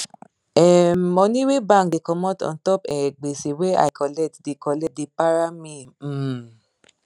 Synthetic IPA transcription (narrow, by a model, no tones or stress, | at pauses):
ɛmɔnĩwebãŋk̚dekɔmɔtɔ̰̃ntɔpɛɡ͡besewea̰jkɔlɛtdekɔlɛdepaɾamĩ